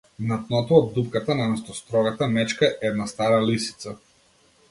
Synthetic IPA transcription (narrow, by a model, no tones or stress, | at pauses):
nat̪nɔt̪ɔɔd̪̚ːupkat̪anamɛst̪ɔst̪ɾɔɡat̪amɛt͡ʃkaɛɛd̪nast̪aɾalisi̥t̪sa